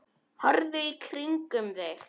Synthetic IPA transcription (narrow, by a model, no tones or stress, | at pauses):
hɔɾðʏikʰɾiŋkʏmðɪɣ